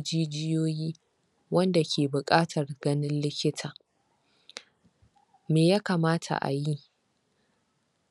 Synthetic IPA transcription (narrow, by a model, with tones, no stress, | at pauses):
d͡ʒiː˦d͡ʒɪ˦joː˦jiː˦ | wɐ˦nda˨kʲʰeː˨bʊ˨kʼaː˦tʰɐ˨rɡɐ˦nɪ˦nlɪ˦kʲɪ˦tʰaː˨ | meː˨jaː˦kaː˨maː˦tʰa̰˨ʔa̰˨ji˦